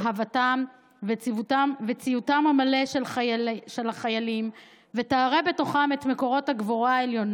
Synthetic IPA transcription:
ɦavatam | vet͡sivutamvet͡sijutamamale̞ʃeʃelhaχajalim | ve̞taːʁe̞be̞to̞χame̞tme̞ko̞ʁo̞thaɡvoʁaeljo̞n

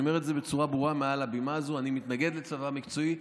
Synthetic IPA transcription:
ome̞ʁ̞etze̞be̞t͡suʁabʁuamealabimaːzoanimit̪naɡe̞d̪let͡savamikt͡so̞i

